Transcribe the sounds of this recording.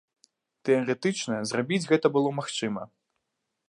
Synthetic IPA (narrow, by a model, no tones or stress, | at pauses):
t̪ɛɐɾɛt̪ɨt͡ʂnɐzrabʲid͡zʲɣɛt̪ɐbɨlˠɔmaxt͡ʂɨmɐ